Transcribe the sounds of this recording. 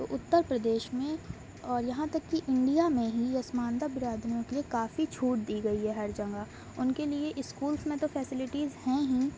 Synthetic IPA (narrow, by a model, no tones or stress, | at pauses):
t̪o̰ːʔʊt̪ːəɾpɾɐd̪eːʃmẽ | ɔːɾjɐɦãt̪ɐkːiʔɪ̃ɳɖijamẽɦiɐsmaːnd̪abɪɾaːd̪ʱənõkeliekaːfit͡ʃʰuːʈ̚d̪iːɡɐiɦɛɦɐɾd͡ʒɐ̃ŋɡa | ʊnkelieʔɪskuːlsmẽt̪ofʰɛːsɪlɪʈizhɛ̃ɦĩ